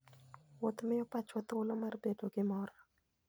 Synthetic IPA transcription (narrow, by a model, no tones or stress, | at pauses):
wot̪mɪjɔpat͡ʃwat̪ʊlomarbedoɡɪmɔɾa